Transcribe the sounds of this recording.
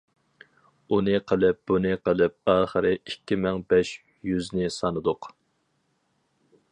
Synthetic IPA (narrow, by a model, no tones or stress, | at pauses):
unɨqʰəlˠɪp̚b̥unɨqʰəlˠɪp̚ɑːχəɾɪikʲːimɪŋbɛʃ | jyznɪsɑnɨd̪ʊq